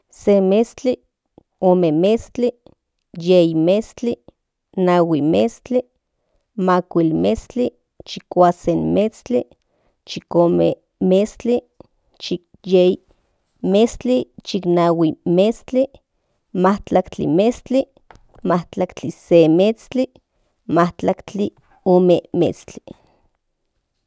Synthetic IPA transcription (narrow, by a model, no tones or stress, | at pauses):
semest͡ɬi | omemest͡ɬi | jeimest͡ɬi | nawimest͡ɬi | makʷilmest͡ɬi | t͡ʃikʷasenmet͡st͡ɬi | t͡ʃikoːme | mest͡ɬi | t͡ʃik̚ | jei | mest͡ɬit͡ʃiknawimest͡ɬi | maht͡ɬakt͡ɬḭmest͡ɬi | maht͡ɬakt͡ɬisemet͡st͡ɬi | maht͡ɬakt͡ɬi | oːmemḛt͡st͡ɬi̥